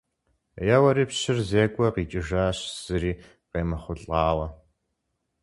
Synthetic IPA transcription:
jɛwɐɾiːpɕɪrzeːkʷʼɔqiːt͡ʃʼɪʒaːɕz̥ɨɾiː | qeːmɨχʷʊɬʼɑːwɐ

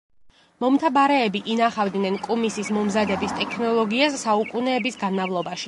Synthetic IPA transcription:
mɔmt̪ʰabaɾɛːbiʔinaχavd̪nɛnkʼumisismɔmzad̪ɛbist̪ʼɛkʰnɔlˠɔɡiasːaukʼunɛːbisɡanmavlˠɔbaʃi̥

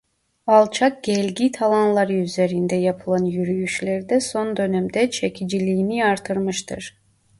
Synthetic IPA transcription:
alˠt͡ʃʰak̚ɟɛlʲɟit̪ʰalˠanlˠaɾɯyze̞ɾind̪ɛjapʰɯlˠanjyɾyjyʃlʲæɾd̪ɛso̞nd̪ø̞nɛmd̪ɛt͡ʃʰecʰid͡ʒilʲijːniaɾt̪ʰɯɾmɯʃt̪ʰɯɾ̥

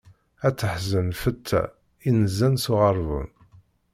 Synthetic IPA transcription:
æt͡sːəħzənfət̪ʰːæ̰ | inəzːænsʊʁəɾˤvə̰n

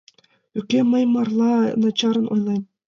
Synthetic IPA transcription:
ykʲːemɤ̆jmɑrlˠɑnɑt͡ɕɑɾɤ̆nṵjlˠɑj

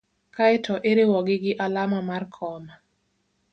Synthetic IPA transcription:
kaɪtʰɔʔeɾɪwɔɡɪɡɪʔalamamarkʰɔma

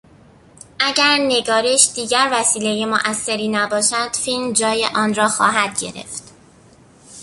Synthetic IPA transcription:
ʔæɟæɾne̞ɡɒːɾeʃd̪̥iːɟæɾvæsiːle̞jemoʔæsːe̞ɾiːnæbɒːʃæd̪̥filmd͡ʒɒːjḛʔɒːnrɒːxɒ̰ːɦæd̪̥̚ɟe̞̰ɾḛft̪

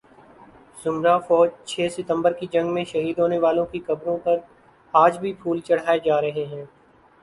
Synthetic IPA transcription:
z̥ʊmɾafɔːd͡ʒt͡ʃʰɛːsɪt̪ə̃mbəɾkid͡ʒɐ̃ŋɡmẽʃɐɦiːd̪ʱɦoːneʋaːlõkikɐbɾõpɐɾ | aːd͡ʒbʱipʰuːlt͡ʃɐɽ̤aːed͡ʒaːɾɐɦeɦɛ̃ː

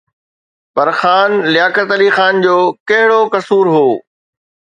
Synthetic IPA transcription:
pɐɾxaːnlɪjaːkət̪əlixaːnd͡ʑoːkɐɦɪɽokɐsuːɾɦoː

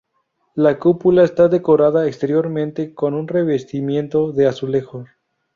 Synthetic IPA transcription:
lakupulaest̪aðe̞ko̞ɾaðaekst̪e̞ɾjo̞ɾmẽnt̪e̞ko̞nunre̞βe̞st̪imjẽ̞nt̪o̞ðe̞asule̞xos

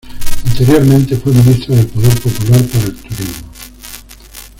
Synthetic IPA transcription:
ant̪eɾjoɾmẽnt̪efwiminist̪ɾaðelpoðeɾpopulaɾpaɾaelt̪uɾizmo

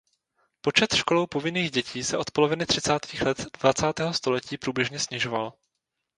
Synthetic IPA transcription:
po̞t͡ʃɛt̪ʃko̞lowpo̞vɪniːɣɟɛcʰiːsɛʔo̞t̪̚po̞lo̞vɪnɪt̪r̝̥ɪt͡saːt̪ʰiːxlɛt̪dvat͡saːt̪ɛːɦo̞st̪o̞lɛciːpɾuːbjɛʒɲɛsɲɪʒo̞val

